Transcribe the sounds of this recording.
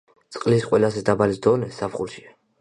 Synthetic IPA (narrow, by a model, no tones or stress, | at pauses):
t̪sʼqʼlisqʼwɛlazɛd̪abalisd̪ɔnɛsapχulʃia